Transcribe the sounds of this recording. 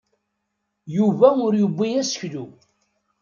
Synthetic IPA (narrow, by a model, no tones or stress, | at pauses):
juvæʊɾjəbːijæsə̥çlu